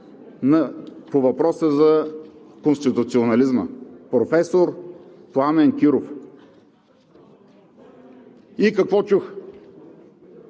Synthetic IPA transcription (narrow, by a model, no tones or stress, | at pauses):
nɐpovɐpɾɔsəzɐ | konst̪it̪ʊt̪sionɐlizmə̰pɾofɛsoɾ | plˠamɛnkʲiɾof | ikɐkvɔt͡ʃux